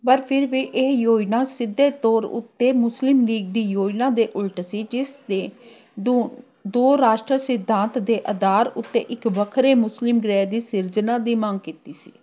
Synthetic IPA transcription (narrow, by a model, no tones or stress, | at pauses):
pəɾpʰɪɾʋiːʔɪːjoːinãːsɪd̪ːeːt̪ɔːɾʊ̰t̪ːeːmʊslɪmliːɡ̚d̪iːjoːinãːd̪eːʔʊlʈsiːd͡ʒɪsd̪eː | d̪oːɾaːʃʈɾəsɪd̪ʱːãːnt̪d̪eːʔəd̪aːɾʊt̪ːḛːʔɪkʋəkʰɾeːmʊslɪmɡɾɛːd̪iːsɪɾd͡ʒnãːd̪iːmaŋɡkiːt̪iːsḭː